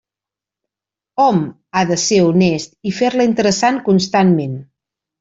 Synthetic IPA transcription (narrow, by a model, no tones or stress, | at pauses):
ɔm | aðəseɾunɛst̪ifeɾləint̪əɾəsankunst̪anmen